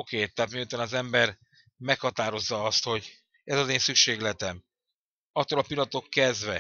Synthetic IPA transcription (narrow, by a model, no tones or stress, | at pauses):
okeːt̪ːɛaːt̪mijut̪aːnɒzɛmbɛr | mɛkhɒt̪aːɾo̞zːɒɒst̪ho̞ɟ | ɛzɒzeːnsykʃeːɡlɛt̪ɛm | ɒt̪ːoːlɒpilːɒt̪o̞kːɛzd̪ʋɛ